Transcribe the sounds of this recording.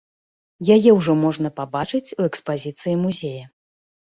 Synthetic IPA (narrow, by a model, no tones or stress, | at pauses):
jajɛwʐɔmɔʐnɐpabat͡ʂɨt͡sʲuɛkspazʲit̪sɨjimuzʲejɐ